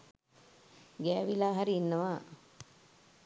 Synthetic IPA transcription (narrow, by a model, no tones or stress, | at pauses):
ɡæːʋilaːɦaɾiːnːɐʋaː